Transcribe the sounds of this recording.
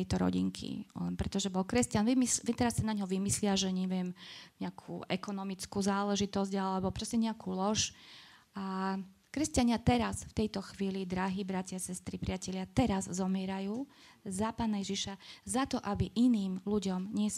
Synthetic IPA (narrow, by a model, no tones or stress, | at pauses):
ɛjt̪ɔɾɔ̰ɟḭŋkʰḭlɛ̰npɾɛt̪ɔʒɛbɔlkɾɛscanʋimit̪ɛɾasːanaɲɦɔʋimislɪaʒɛɲɛʋɪɛmɲɛakʰṵːʔɛkɔnɔmit͡skuːzaːlɛʒit̪ɔzɟalɛbɔpɾɔscɛɲɛakʰuːlɔʃ | ʔa | kɾɛscaɲɪat̪ɛɾasft̪ɛjt̪ɔxʋiːlid̪ɾaɦiːbɾacɪaasɛst̪ɾipɾɪacɛʎɪat̪ɛɾazzɔmɪɛɾajuː | zapaːnajɛʒiʃazat̪ɔʔabiʔiniːmluɟɔmɲɪɛs